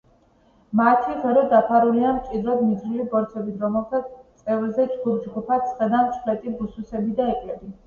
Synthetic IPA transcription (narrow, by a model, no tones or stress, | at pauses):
mat̪ʰiʁɛɾɛd̪apʰaɾuliamt͡ʃʼid̪ɾɔd̪nid̪zɾivibɔɾt̪sʰɛbit̪ʰɾɔmɛlt̪ʰat̪sʼɛvlzɛt͡ʃɡud̪d͡ʒɡupʰat̪sʰʼχʼɛd̪amt͡ʃʰʼχlɛt̪ʼibususɛbid̪aɛkʼlɛbi